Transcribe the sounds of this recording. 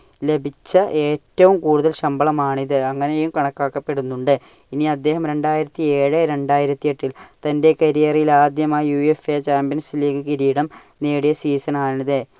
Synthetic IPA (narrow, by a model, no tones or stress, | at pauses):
le̞bʱit͡ɕːɐʔe̞ːtːɐʋumkuːɽuðɐlɕɐmbɐɭɐmaːɳiðɨɐŋːɐnejumkɐɳɐkːaːkːɐpːe̞ɽunːuɳɖɨ | iniɐd̪ːe̞ːhɐmɾe̞ɳɖaːjiɾɐt̪ːieːɻɨɾe̞ɳɖaːjiɾɐt̪ːieʈːilt̪ɐnde̞kɐɾijɐrijilaːd̪jɐmaːjjuefet͡ɕaːmbijɐnsiliːkɨkiɾiːɽɐm | neːɽijɐsiːsɐnaːɳiðe